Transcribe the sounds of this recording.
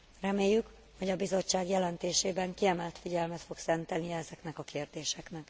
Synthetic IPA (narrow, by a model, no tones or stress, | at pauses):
rɛmeːjːyk | ho̞ɟɒbizo̞t͡ʃːaːɡjɛlɛnt̪eːʃeːbɛŋkiɛmɛlt̪fiɟɛlmɛt̪fo̞ksɛnt̪ɛnijɛɛzɛknɛkɒkeːrd̪eːʃɛknɛk